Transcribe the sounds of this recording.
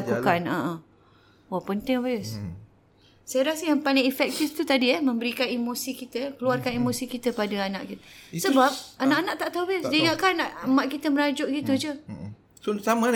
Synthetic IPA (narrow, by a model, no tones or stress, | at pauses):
akukanə̰ʔə | wapənt̪ɪŋbas | sajaɾasəjaŋpalɪŋifɛk̚t̪ɪft̪ut̪adiɛmə̃mbəɾikanimosikit̪əkəluarkanimõsikit̪əpadaanã̰ʔkit̪əsəbap̚anaʔanaʔt̪aʔt̪aubasdiiŋaʔkanaʔmãʔkit̪əməɾad͡ʒʊʔɡit̪ud͡ʒə | susama